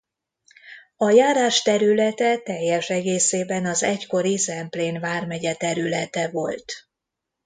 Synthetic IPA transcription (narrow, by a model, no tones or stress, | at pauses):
ɒjaːɾaːʃt̪ɛɾylɛt̪ɛt̪ɛjːɛʃɛɡeːseːbɛnɒzɛcko̞ɾisɛmpleːnvaːrmɛɟɛt̪ɛɾylɛt̪ɛvo̞lt̪